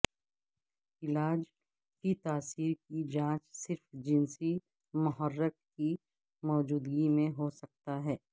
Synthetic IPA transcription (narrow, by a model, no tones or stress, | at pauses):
ɪlaːd͡ʒ | kit̪aːsiːɾkid͡ʒãːt͡ʃsɪɾfd͡ʒɪnsi | mʊɦəɾːəkki | mɔːd͡ʒuːd̪ɡimẽɦosɐk̚t̪aɦɛː